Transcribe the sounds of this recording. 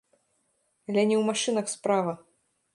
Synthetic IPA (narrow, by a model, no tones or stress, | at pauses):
alʲɛnʲɛwmaʂɨnɐxspɾavɐ